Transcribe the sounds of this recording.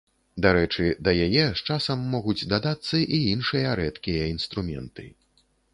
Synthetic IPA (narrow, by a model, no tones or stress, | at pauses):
d̪aɾɛt͡ʂɨd̪ɐjajɛʂt͡ʂasɐmːɔɣud͡zʲd̪ad̪at̪sːɐʔiinʂɨjɐɾɛt̪kʲijɐinst̪ɾumʲɛ̰nt̪ɨ̰